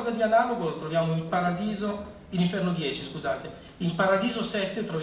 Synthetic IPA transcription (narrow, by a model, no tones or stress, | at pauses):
zad̪ianaːlokolot̪ɾovjaːmoimpaɾad̪iːzo | iniɱfɛrnod̪jɛːt͡ʃiskuzaːt̪e | impaɾad̪iːzosɛt̪ːet̪ɾov